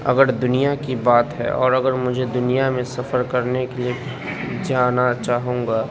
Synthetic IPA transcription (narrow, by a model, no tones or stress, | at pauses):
ɐ̰ɡəɾd̪ʊnijakibaːt̪ɦɛ̰ɔ̰ːɾɐɡəɾmʊd͡ʒʱed̪ʊnijamẽsɐfəɾkɐɾnekelie | d͡ʒaːnat͡ʃaːɦũːɡaː